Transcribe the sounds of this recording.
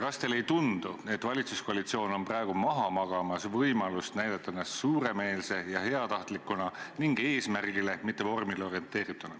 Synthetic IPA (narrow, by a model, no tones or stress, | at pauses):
ɾɑst̪e̞le̞jt̪und̪̥ue̞t̪ːˑvɑlʲit̪susko̞ɑlit̪sio̞ːno̞nprɑe̞ɡ̥umɑɦɑmɑɡ̥ɑmɑsvɤjmɑlust̪næjd̪̥ɑt̪ːˑɑnɑssuːɾe̞me̞ːlse̞jɑɦe̞ɑt̪ɑht̪likːˑunɑniŋɡ̥e̞ːsmærɡ̥ile̞mit̪ːˑe̞vo̞rmileo̞ɾie̞nt̪ːˑe̞ːɾit̪ːˑunɑ